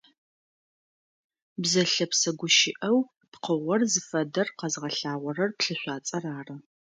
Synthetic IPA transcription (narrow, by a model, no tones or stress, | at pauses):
bzɐɬɐpsɐɡʷʊʃɪʔɐw | pqəʁʷɔrzɨfɐdɐrqɐzʁɐɬaːʁʷɔrɐrpɬɨɕʷaːt͡sʼɐraːrɐ